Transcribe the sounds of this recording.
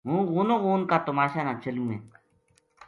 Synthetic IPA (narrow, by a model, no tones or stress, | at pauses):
ɦũːɣuːnõːɣuːnkaːt̪ʊmaːʃaːnaːt͡ʃəlũːɦḛː